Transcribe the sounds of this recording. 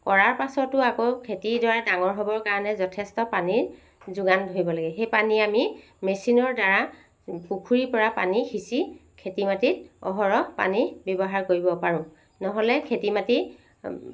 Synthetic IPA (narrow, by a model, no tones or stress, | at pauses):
kɔɹaɹpasɔtʊakokʰetidɔɹadaŋɔɹɦɔbɔɹkaɹɔnɛzɔtʰɛstɔpaniɹ | zʊɡandʱoɹibɔlaɡɛxejpaniami | mesinɔɹdaɹa | pukʰuɹipɔɹapa̰nixisikʰetimatit̚ɔ̰ɦɔɹɔpa̰nibjɔbɔɦaɹkoɹibɔpaɹʊ̃ | nɔɦɔlɛkʰetimati